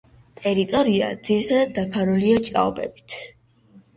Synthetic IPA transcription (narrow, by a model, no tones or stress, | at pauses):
t̪ʼɛɾit̪ʼɔɾia̰d̪ziɾit̪ʰad̪ad̪̚ːapʰaɾuliɔt͡ʃʼa̰ɔbɛ̰bi̥t̪ʰ